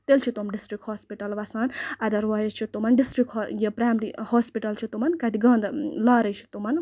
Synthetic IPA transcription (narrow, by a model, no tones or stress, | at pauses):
t̪elt͡ʃʰit̪umɖisʈɾikhoːspiʈɐlʋɐsaːnɐd̪ɐɾʋaːjɐt͡ʃʰit̪umɐnɖisʈɾikːjepɾaːmɾihoːspiʈɐlt͡ʃʰit̪umɐnkɐt̪iɡɐnd̪laːɾɐjt͡ʃʰi̥t̪umɐn